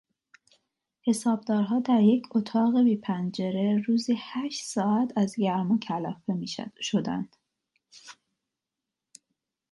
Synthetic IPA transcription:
he̞sɒːb̚d̪ɒːɾɦɒːd̪æɾje̞cʰot̪ʰɒːɣe̞biːpʰænd͡ʒeɾe̞ɾuːziːhæʃt̪sɒːæt̪ʰæzɟæɾmocʰælɒːfemiʃʃod̪æ̰nd̪̥

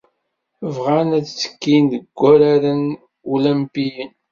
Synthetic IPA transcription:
vʁanæt͡st͡sːə̥kːindəɡʷːæɾaɾən | uləmpijən

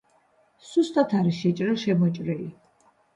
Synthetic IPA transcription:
sust̪ʼat̪ʰaɾiʃɛt͡ʃʼɾɛʃɛmɔt͡ʃʼɾɛi

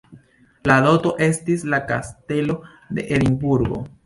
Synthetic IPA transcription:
lalo̞to̞ʔe̞stislaka̰ste̞lo̞ | de̞̰ʔeɾimbuɾɡo̞̰

